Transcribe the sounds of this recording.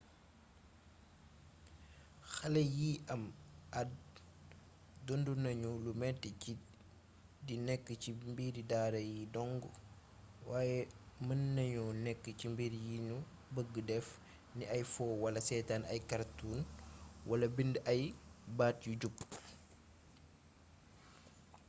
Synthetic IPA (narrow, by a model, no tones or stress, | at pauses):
xɐlɐjiʔɐmɐd̚ | dondunɐɲulumɛtːici | dinɛkːəcimbiːɾidaːɾɐjidɔŋɡu | waːjɛmɐnːɐɲunɛkːəcimbiɾjiɲu | bəɡːədɛf | niʔɐjfɔːwɐlɐsɛtaːnɐjkaɾtuːnwʔɐlɐbindɐjbaːtjuɟupː